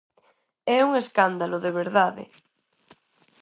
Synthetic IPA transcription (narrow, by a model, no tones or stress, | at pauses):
ɛuŋeskand̪aloðeβ̞eɾðaðḛ